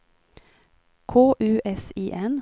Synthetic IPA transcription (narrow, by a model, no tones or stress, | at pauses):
kʰoːʔʉːʔɛsiːʔɛn